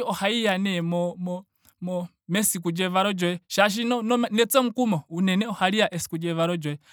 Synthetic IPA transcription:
iɔhaijanɛmɔmɔ | mɔ | mɛsikud͡ʒɛβaɾɔd͡ʒɔɛʃaʃ̬inɔnɔnɛt͡sɛm̩kumɔunɛnɛɔhaɾijaʔɛsi̥kud͡ʒɛβaɾɔd͡ʒɔɛ

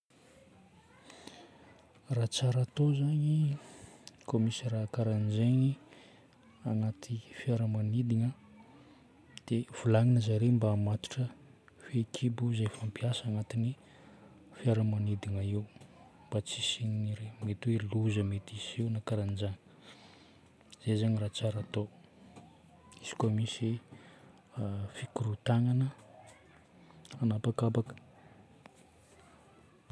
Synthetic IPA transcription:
rat͡saɾat̪ozaɲi | komisirakaɾand͡ʒeɲi | anat̪ʰifiaɾəmanid̪iɲə | d̪̥ev̥ulaŋinəzaɾembaːmat̪i̥ʈ͡ʂə | fekʰibuzajfampiasanat̪ini | fiaɾəmanid̪iŋaiw | mbat͡sisininiɾemet̪weluzəmet̪isiwnakaɾand͡ʒanə̥ | z̥ezaɲirat͡saɾat̪o | isi̥kamisi | fikuɾut̪aŋanə | anapakabakə̥

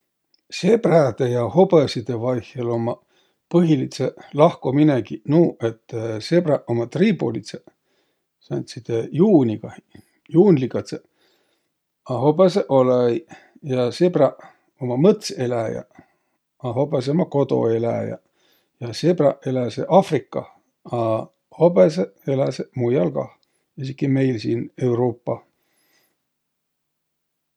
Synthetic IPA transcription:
se̞b̥ræd̪ejɑho̞pesid̪evɑjhjɑlomɑ | pɤɦilit̪selɑhkominekinuːʔet̪ːsebrɑomɑt̪riːpo̰lit̪se | sænt̪sit̪ejuːnʲiɡ̥ɑ | juːnlikɑt̪se | ɑɦo̞beseʔolej | jɑsebrɑ | omɑmɤt̪selæjɑ̰ | ɑɦo̞bes̬eomɑko̞d̪o̞̰elæ̰jɑ̰ | jɑsebrɑ̰elæseʔɑfrikːɑ | ɑ | hobeseelæsemujɑlɡɑ̰ | isikːime̞jlsiːnewɾoːpːɑ

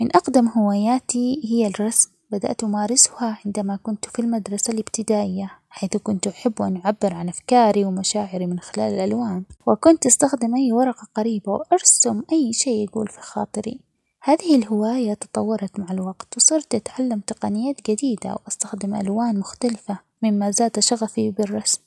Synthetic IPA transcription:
mɪnʔɑqd̪amhɪwaːjaːt̪ihɪjːalrˤːɑsmbad̪a̰ʔt̪ʔʊmaːɾɪsʊhaʕɪnd̪amakʊnt̪filmad̪ɾˤɑsalʔɪbt̪ɪd̪aːʔɪjːaħajθkʊnt̪ʔaħɪbːʔanʕabːɪɾʕanʔafkaːɾiwmaʃaːʕɪɾimɪnxɪla̰ːlɪlʔalwaːnwɪkʊnt̪ʔast̪axd̪ɪmʔajːwɑɾˤɑqɑqɑɾiːbawʔɑɾˤsʊmʔajːʃeːaɡṵːlfixɑ̰ːt̪ˤɨɾḭ | haːðɪhɪlhɪwaːjat̪ɨ̥t̪ˤɑwːɑɾˤɑt̪maʕalwɑɡt̪wsˤɨɾt̪ʔat̪ʕalːamt̪ɪqɑnɪjːaːt̪d͡ʒad̪iːd̪a̰wʔast̪axd̪ɪmʔa̰lwaːnmʊxt̪alɪfa | mɪmːazaːt̪ʃɑɣafibɪrˤːɑsm

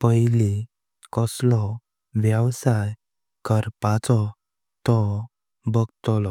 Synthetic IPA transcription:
pəjli | kɔslɔ | ʋjəwsaj | kəɾpat͡sɔ | t̪ɔ | bəɡt̪ɔlɔ

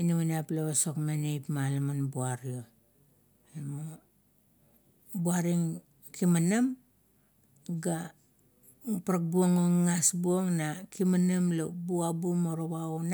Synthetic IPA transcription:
inawanaplaβaso̞kmenejpmalamanbuaɾio | emo | buaɾiŋ | kimanam | ɡa | paɾak̚buoŋoŋŋasbuoŋnakimanamlobuabumoɾoβaun

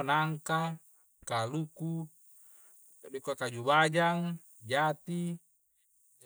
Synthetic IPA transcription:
naŋka | kaluku | dekuakad͡ʒubad͡ʒaŋ | d͡ʒat̪i

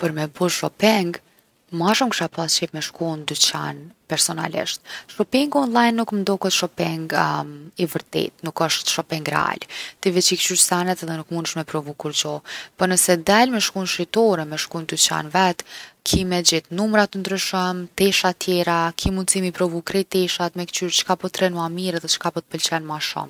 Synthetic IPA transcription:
pəɾmɛbɔʃɔpɛŋɡ | maʃumkʃapat͡ʃɛfmɛʃkund̪yt͡ɕa̰npɛɾsɔna̰lḭʃt̪̚ʃɔpiŋɡɔnlˠajnːukmnd̪ɔkɛt̪ʃɔpɛŋɡivəɾt̪ɛ̰t̪nukəʃt̪ʃɔpɛŋɡɾɛ̰a̰lt̪ivɛt͡ɕikt͡ʃyɾsanɛt̪ɛðɛnukmunʃmɛpɾɔvukuɾt͡ɕɔpɔnəsɛd̪almɛʃkunʃɾit̪ɔɾɛmɛʃkunt̪ut͡ʃa̰nvɛt̪kʰimɛd͡ʑit̪numɾat̪ənd̪ɾyʃəmt̪ɛʃat̪jɛɾakʰimund̪t͡simipɾɔvukɾɛt̪ɛʃat̪mɛkt͡ʃyɾt͡ʃkapɔt̪ɾɛnuamiɾɛðɛt͡ʃkapɔt̪ə̥pəlt͡ɕɛnmaʃṵm

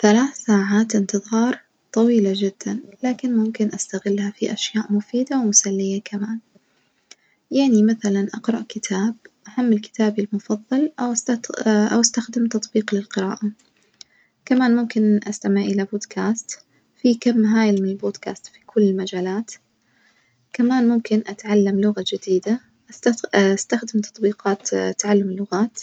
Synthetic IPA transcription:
θalaːθsaːʕaːt̪ʔɪnt̪ɨðˤɑːɾˤ | t̪ˤɑwiːlad͡ʒɪd̪̥ːanlaːkɪnmʊmkɪnʔast̪aɣɪlːhafiʔaʃjaːʔmʊfiːd̪awmʊsalːɪjakʰamaːn | jaʕnimaθalanʔɑqɾˤɑʔkɪt̪ʰaːb̚ʔahamːɪlkɪ̥t̪ʰaːbilmʊfɑðˤːɑlʔawʔast̪aʔa̰wʔast̪axd̪ɪmt̪ɑt̪ˤbiːqlɪlqɪɾa̰ːʔa | kamaːnmʊmkɪnʔast̪amɪʕʔɪlaboːd̪kʰaːst̪ | fikamːɦaːjɪlmɪnɪlboːd̪ka̰ːst̪fi̥kʰʊlːɪlmad͡ʒaːlaːt̪ | kamaːnmmkɪnʔat̪ʕalːamlʊɣad͡ʒɪd̪iːd̪a | ʔast̪axd̪ɪmt̪ɑ̥t̪ˤbiːqɑːt̪t̪ːaʕalːamɪlːʊɣaːt̪

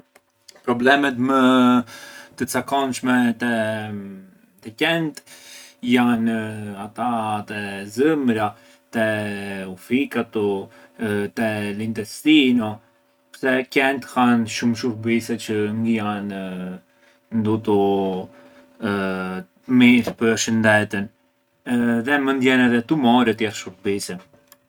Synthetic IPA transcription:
pɾɔblɛmɛt̪mə | t̪ət͡sakɔnʃmɛt̪ɛ | t̪ɛkɛnt̪janat̪at̪ɛzəmɾa | t̪ɛufikat̪ɔ | t̪ɛlint̪ɛst̪inɔ | pɾsɛkɛnt̪hanʃumʃuɾbisɛt͡ʃəŋɡəjan | nd̪ut̪ɔ | miɾpəɾʃənd̪ɛt̪ən | ðɛmənd̪jɛnɛðɛt̪umɔɾɛt̪jɛθʃuɾbisɛ

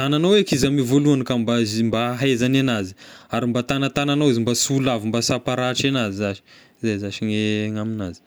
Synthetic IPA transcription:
ananawekizamivoluankambazimbaɦezananazi̥aɾimbat̪anat̪ananawizimbasulavimbasapaɾaʈ͡ʂenazizaʃi̥ | zazaʃiŋeŋaminazi̥

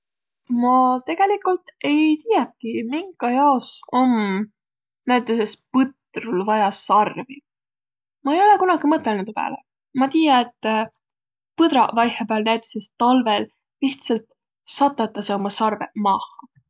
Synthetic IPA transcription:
mɑt̪e̞ɡ̥e̞likˑult̪e̞jt̪iːjep̚kimiŋɡ̥ɑjɑoso̞m | næjt̪ːˑesespɤt̪rulvɑjɑsɑrvi | mɑe̞jo̞le̞kunɑɡ̥imɤt̪ːˑelnud̪upæ̰ːle | mɑt̪iːjɑet̪ː | pɤd̪ɾɑ̰vɑjhepæːlnæjt̪ːˑe̥se̞st̪ɑlve̞l | liht̪sɑlt̪ | sɑt̪ˑːɑt̪ːˑɑseomɑsɑrve̞̰mɑːhɑ

